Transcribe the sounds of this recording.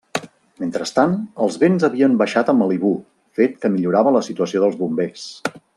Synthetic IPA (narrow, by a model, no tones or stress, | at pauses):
ment̪ɾəst̪anəlˠzβenzəβiəmbəʃat̪əməliβu | fet̪kəmiʎuɾaβələsit̪uəsioðəlˠzβumbes